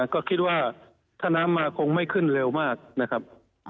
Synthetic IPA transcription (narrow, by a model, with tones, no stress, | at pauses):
kɔː˥˩kʰi˦˥t̪̚waː˥˩ | t̪ʰaː˥˩naː˦˥mːaː˧kʰo˧ŋma˥˩jkʰɯ˥˩nle˧wmaː˥˩k̚na˦˥kʰa˦˥p̚